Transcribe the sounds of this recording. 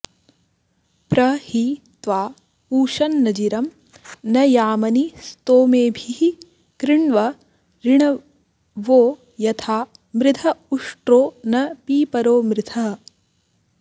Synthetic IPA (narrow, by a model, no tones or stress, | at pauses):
pɾɐhit̪ʋaː | uːʃɐnːɐd͡ʒiɾɐm | nɐjaːmɐnist̪oːmeːbʱiɦi | kɾɪɳʋɐ | ɾiɳɐ | ʋoː | jɐt̪ʰaː | mɾɪt̪ʰɐuʂʈɾoːnɐpiːpɐɾoːmɾɪt̪ʰɐɦ